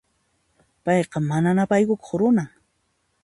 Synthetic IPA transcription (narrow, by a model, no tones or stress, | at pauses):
pɑjqɑmananapajkʊko̥χɾʊnaŋ